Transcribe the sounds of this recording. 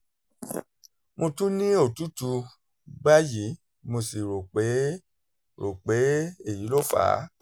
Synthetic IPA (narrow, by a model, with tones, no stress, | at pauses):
mo˧tũ˦nĩ˦o˦˨tu˦tu˧ | ba˦ji˨˦ | mo˧si˨ɾo˨k͡pe˨˦ | ɾo˨k͡pe˨˦e˦˨ji˨˦lo˦˨fa̰ː˨˦